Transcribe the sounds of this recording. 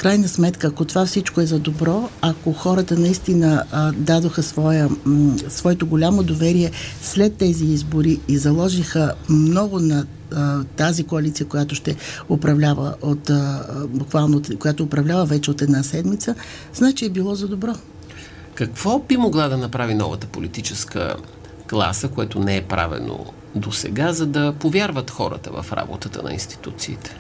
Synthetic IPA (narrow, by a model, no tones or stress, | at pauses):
fkɾajnəsmɛt̪kəːkot̪ovafsit͡ʃkoɛzɐd̪obɾɔakoxɔɾət̪ənɐist̪inəd̪ad̪oxəsvɔjəsvɔɛt̪oɡolʲamod̪ovɛɾiɛslɛt̪ːɛziizboɾiːzɐlˠɔʒixəmnɔɡʊnɐ | t̪azikoɐlʲit̪sijəkojat̪oʃt̪ɛopɾɐvlʲavə̰ʔot̪bʊkvalˠnokojat̪oːpɾɐvlʲavəvɛt͡ʃɛot̪ɛd̪nasɛd̪mit̪sə | znat͡ʃɛɛbilˠɔzɐd̪obɾɔ | kɐkv̥ɔbimoɡlˠad̪ɐnɐpɾavinɔ̰və̰t̪əpolit̪it͡ʃɛskə̰ | klˠa̰səkoɛt̪onɛɛpɾa̰vɛ̰no̰ | d̪osɛ̰ɡazɐd̪ɐpovʲjaɾvət̪xɔɾə̰t̪ə̰və̰fɾa̰bo̰t̪ət̪ə̰nɐ̰ḭnst̪i̥t̪ut̪siːt̪ɛ̥